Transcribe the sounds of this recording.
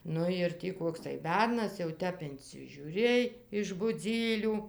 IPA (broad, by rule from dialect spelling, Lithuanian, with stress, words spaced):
ˈnʊ ɪr ˈtʲiː ˈkoːks tɐɪ ˈbʲɛrnɐs jɛʊ ˈtʲɛp ɪnʲt͡sʲɪʒʲuːˈrʲeːj ɪʃ bʊˈd͡zʲiːlʲuː